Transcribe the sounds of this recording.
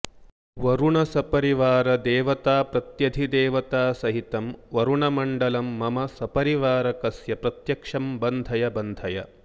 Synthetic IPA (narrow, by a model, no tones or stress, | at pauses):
ʋɐɾuɳɐsɐpɐɾiʋaːɾɐd̪eːʋɐt̪aːpɾɐt̪jɐd̪ʱid̪eːʋɐt̪aːsɐɦit̪ɐmʋɐɾuɳɐmɐɳɖɐlɐmːɐmɐsɐpɐɾiʋaːɾɐkɐsjɐpɾɐt̪jɐkʂɐmbɐnd̪ʱɐjɐbɐnd̪ʱɐjɐ̰